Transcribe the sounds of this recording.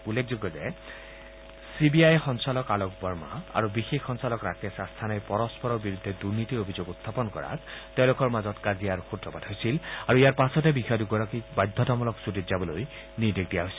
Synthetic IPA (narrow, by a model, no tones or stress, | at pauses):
ulːek̚ʰzoɡːɔzɛ | sibiajxɔnsalɔkalok̚bɔɹma̰a̰ɹubixexːɔnsalɔkɹakɛsastʰanajpɔɹɔspɔɹɔɹbiɹud̪ʱːɛduɹnitiobʱizoɡutʰːapɔnkɔ̰ɹa̰tteʊ̃lʊkɔɹmazɔtkazijaɹxutɹɔbadɦojsilaɹuijaɹpasɔtɛbixɔjaduɡɔɹakik̚bajd̪ʱɔtɔmɔlɔksuditzabɔloj | niɹdek̚dijaɦojsil